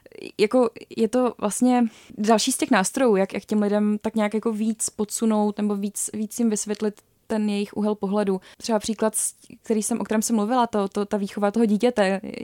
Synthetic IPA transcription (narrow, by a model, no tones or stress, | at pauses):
jako̞jɛt̪o̞vlʔast̪ɲɛ | dalʃiːscɛxnaːst̪ɾo̞juːjakjʔa̰kcɛmlɪdɛmt̪akɲaːkjako̞viːt͡spot̪suno̞wt̪nɛbo̞viːt͡sviːt͡sjɪmvɪsvʲjɛt̪lɪt̪ːɛnjɛjɪxʔṵɦɛlpo̞ɦlɛdut̪r̥ɛbapr̥iːklat̪sk̚t̪ɛɾiːsɛmʔokt̪ɛɾɛːmsɛmluvɪlat̪ot̪ot̪aviːxo̞vat̪oɦoɟiːcɛt̪ɛ